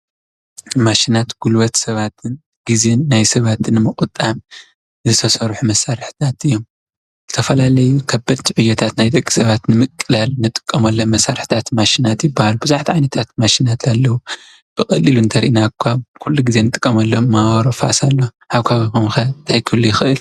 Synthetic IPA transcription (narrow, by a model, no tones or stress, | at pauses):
maʃinat̪ɡ̥ulwɐt̪sɐβat̪ʰɨn | ɡ̥izenːajsɐβat̪ʰɨnɨmɨkʼɨt̪ʼam | zɨt̪ʰɐsɐɾħumɐsaɾħt̪ʰat̪ɨjːo̞m | z̥ɨt̪ʰɐfɐlalɐjukʰɐbɐd̪t̪ʰiʕujːɐt̪ʰat̪najt̪ʼɐkʼːi̥sɐβat̪nɨmɨkʼːɨlalnɨt̪ʼɨ̥kʼːɐmɐlːomɐsːaɾħt̪ʰat̪maʃinat̪jɪbːahalubɨzuħt̪ʰiʕajnɐt̪ʰat̪̚maʃinat̪ʰalːɐwu | b̥ɨkʼɐliluɨnt̪ʰɐɾiʔinakʰːakʰulːuɡize̞nɨt̪ʼɨkʼːɐmɐlːomawɾofa̰salːo | ħaβkʰaβkomxɐnt̪ʰajkʰɨlːujɪxɨʔɨl